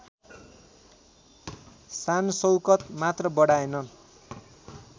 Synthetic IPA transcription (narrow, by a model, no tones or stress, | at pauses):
sansʌwkʌt̪mat̪rʌbʌɽaenʌn